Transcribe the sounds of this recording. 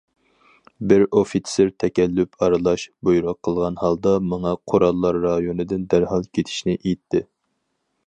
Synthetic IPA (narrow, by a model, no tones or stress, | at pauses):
bɪɾofit̪sɪɾt̪ʰɛkʲʰɛlːypʰɑɾɨlˠɑʃbojɾɑqʰːəlˠʁɑnhɑlˠd̪ɑmɑŋɑqʰoɾɑlˠːɑɾːɑjonɨd̪ɪnd̪æɾhɑlˠkʲʰet̪ʰɪ̥ʃnɪʔejt̪ʰːɪ